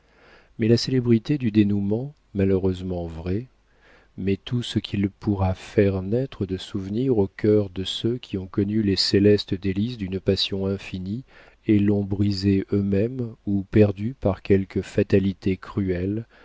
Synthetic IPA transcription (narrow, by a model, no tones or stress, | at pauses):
mɛlaselɛbʁit̪ed̪yd̪enumɑ̃ | maləʁøzmɑ̃vʁɛ | mɛt̪ʰusəkʰʲilpʰuʁafɛʁnɛt̪χəd̪əsuvniʁokʲʰœʁd̪əsøkʲʰiɔ̃kɔnyleselɛst̪d̪elisd̪ynpasjɔ̃ɛ̃fini | elːɔ̃bʁizeʔømɛmupɛʁd̪ypaʁkʲɛlkəfat̪alit̪ekχyɛl